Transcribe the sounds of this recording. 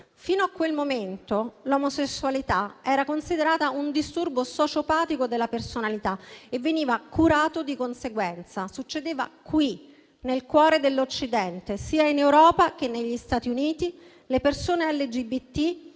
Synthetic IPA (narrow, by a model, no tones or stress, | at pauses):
fiːnoakːwelmoment̪olomosesːualit̪aɛːɾakonsid̪eɾaːt̪aund̪ist̪urbosɔt͡ʃopaːt̪ikod̪elːapersonalit̪aevːeniːvakʰuɾaːt̪od̪ikonseɡwɛnt̪sasut͡ʃːed̪eːva̰kwi | nelkwɔːɾed̪elːot͡ʃːid̪ɛnt̪esiːainewɾɔːpak̟enːeʎːist̪aːt̪iuniːt̪i | lepersoːneɛlːed͡ʒibit̪ːi